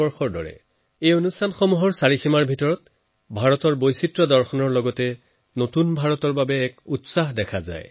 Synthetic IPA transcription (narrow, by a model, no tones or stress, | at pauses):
ɔɹxɔɹdɔ̰ɹɛ̰ | ejonustʰanxɔmuɦɔɹsaɹiximaɹbʱitɔɹɔt | bʱaɹɔtɔɹbojsitɹɔdɔɹxɔnɔɹlɔɡɔtɛ | notunbʱaɹɔtɔɹbabɛːkutsaɦdɛkʰaza̰j